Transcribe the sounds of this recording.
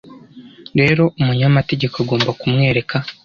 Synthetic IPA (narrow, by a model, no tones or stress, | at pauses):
ɾe̞ɾo̞umuɲamate̞ɟe̞koaɡo̞ːmbakumŋe̞ːɾe̞kʰa